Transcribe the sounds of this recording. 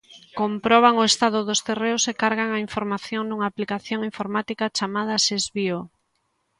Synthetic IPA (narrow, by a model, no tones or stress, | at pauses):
kompɾɔβ̞aŋoest̪aðʊðost̪ereʊsekaɾɣaŋaiɱfoɾmaθjoŋd̪uŋaːplikaθjoŋiɱfoɾmat̪ikat͡ʃamað̞ɐʃezβio